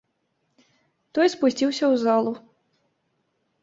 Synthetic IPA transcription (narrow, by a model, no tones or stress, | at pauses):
t̪ɔjspusʲt͡sʲiwsʲɐwzalˠu